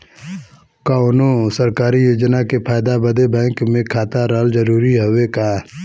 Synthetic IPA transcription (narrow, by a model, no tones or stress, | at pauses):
kaʊnõsəɾkaːɾijoːd͡ʒnakepʰaːjd̪abəd̪ebɛ̃ːŋkmẽkʰaːt̪aɾaːld͡ʒəɾuːɾiɦowekaː